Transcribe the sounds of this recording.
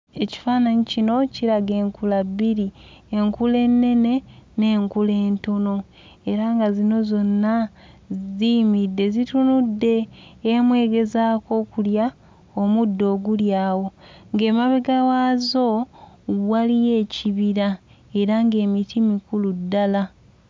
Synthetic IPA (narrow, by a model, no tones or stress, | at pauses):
e̞ci̥faːnaɲicino̞ciɾaɡe̞ːŋkulabːiɾiːŋkule̞nːe̞ne̞ne̞ːŋkule̞ːntono̞ | e̞ɾaŋɡazino̞zo̞nːa | zimidːe̞zitunudːe̞ːmwe̞ːɡe̞zaːko̞ːkulja | omudːo̞ːɡuljaːwo̞ŋɡe̞ːmaβeɡawaːzo̞ | walije̞ːciβiɾa | e̞ɾaŋɡe̞ːmitʰimikuludːala